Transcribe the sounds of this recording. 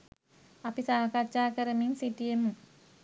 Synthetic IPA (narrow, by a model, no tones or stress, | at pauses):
apisaːkat͡ʃaːkəɾəmiŋsiʈijemu